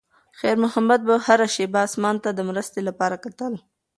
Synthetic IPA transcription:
xɛɾmʊhamad̪̚bahaɾaʃebɑsmɑnt̪ad̪əmɾəst̪elapɑɾakat̪əl

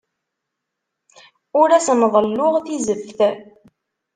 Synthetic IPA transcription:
ʊɾæsmðˤəlːʊʁθizəfθ

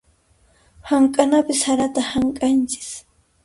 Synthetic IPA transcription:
haŋkʼanapɪshaɾat̪ahaŋkʼant͡ʃɪ̥s

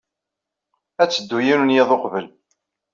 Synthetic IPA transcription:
æt͡sːəd̪ːujinunjeðˤoqvəl

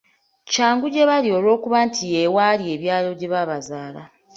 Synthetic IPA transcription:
caːŋɡuɟe̞βalio̞lo̞ːkuβantʰijewaːlie̞ːβjaːlo̞ɟe̞βaβazaːla̰

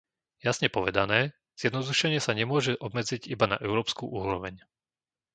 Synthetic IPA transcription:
jasɲɛpɔʋɛd̪anɛː | z̥jɛd̪nɔd̪uʃɛɲɪɛsaɲɛmʊɔʒɛʔɔbmɛd͡ziɟibana̰ʔɛʊɾɔːpskuʔuːɾɔʋɛɲ

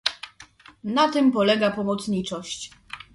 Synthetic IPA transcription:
nat̪ɘmpɔlɛɡapɔmɔt̪sɲit͡ʂɔɕt͡ɕ

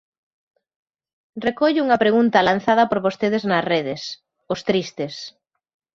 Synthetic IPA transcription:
rekɔʎuŋɐpɾeɣunt̪ɐlanθað̞ɐpoɾβost̪eðeznɐsreðɪs | ʊst̪ɾist̪ɪs

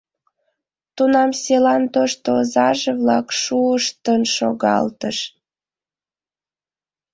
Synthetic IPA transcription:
t̪unɑmselɑnt̪oʃt̪oozɑʒeβlɑ̰kʃuəʃt̪ənʃo̰ɣɑ̰lt̪ə̰ʃ

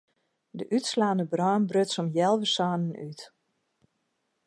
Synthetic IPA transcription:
dəʔytslaːnəbrɔːnbrøtsɔmjɛlˠʋəsaːnənyt

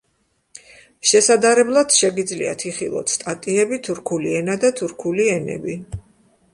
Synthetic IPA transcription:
ʃɛsad̪aɾɛblˠad̪̥ʃɛɡid̪zlḭa̰t̪ʰiχilˠɔ̰t̪ʰst̪ʼat̪ʼiɛbit̪ʰuɾkʰuliɛnad̪at̪ʰuɾkʰuliɛnɛ̰bi

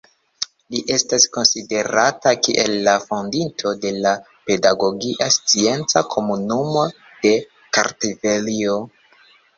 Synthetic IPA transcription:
liʔe̞stasko̞nside̞ɾatakiʔelːafondintʰo̞de̞la | pe̞daɡo̞ɡiʔast͡sie̞nt͡sakʰo̞munumo̞ | d̥e̞ | ka̰ɾtive̞lio̞

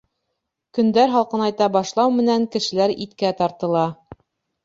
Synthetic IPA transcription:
kɵ̆nd̪æɾɦɑlˠqɤ̆nɑjt̪ɑbɑʃlˠɑwmɘ̆næŋkɘ̆ʃɘ̆læɾit̪kæt̪ɑɾt̪ɤ̆lˠɑ

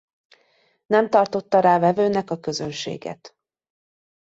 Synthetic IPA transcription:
nɛmt̪ɒrt̪o̞t̪ːɒɾaːvɛvøːnɛkɒkø̞zønʃḛːɡɛ̰t̪

